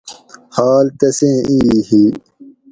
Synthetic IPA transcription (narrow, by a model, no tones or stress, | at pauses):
haːlt̪ɐsẽːiːhiː